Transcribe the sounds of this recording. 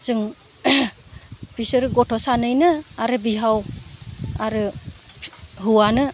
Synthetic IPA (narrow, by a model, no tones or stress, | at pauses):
z̥ɯŋ | pisɯɾɯɡɔtʰɔsanɯjnɯaɾɯbiɦaw | aɾɯ | ɦuwanɯ